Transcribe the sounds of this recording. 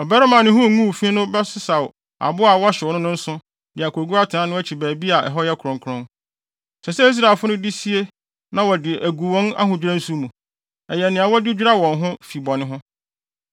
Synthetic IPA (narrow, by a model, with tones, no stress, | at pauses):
ɔ˨bɛ˦ɾa˦mã˨nɪ̃˦ɦʊ̃˦˨˦ŋũ˦wfĩ˦nʊ̃˦bɛ˦sɪ˦sa˨w | a̰˨bʊ˦a˨wɔ˦ɕɪ˨wɔ˨nʊ̃˦nʊ̃˦n̩˦sʊ̃˦ | dɪ˨a˨kʰo˨ɡu˦a˦tʰã˦nʊ̃˦æ˦t͡ɕʰi˨bæː˨bi˦a˨ʔɛ̰˨ɦɔ˦jɛ˦kʰɾɔ̃˨ŋkʰɾɔ̃˦n | sʰɛ˨sɛ˦i˦s̬ɾa˨e˨lfʊ˦nʊ̃˦dɪ˦si˦e˦ | nã˦wɔ˨dɪ˨ʔæ˨ɡu˨wɔ̃˦na̰˦ɦʊ̃˨d͡ʑᶣi˦ɾã˦n̩˦su˦mũ˨ | ɛ˨jɛ˨nɪ̃˨a˨wɔ˦dɪ˦d͡ʑᶣi˦ɾa˦wɔ̃˨nɦʊ̃˦fi˨bɔ˨nɪ̃˦ɦʊ̃˦